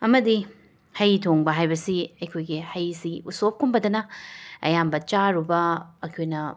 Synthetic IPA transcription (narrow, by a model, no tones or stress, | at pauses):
ɐmɐdi | hɐjtʰoŋbɐɦajbɐsiɐjkʰojɡihɐjsiusop̚kʰumbɐdɐnɐɐ̰jambɐt͡ʃaɾubɐːkʰojnɐ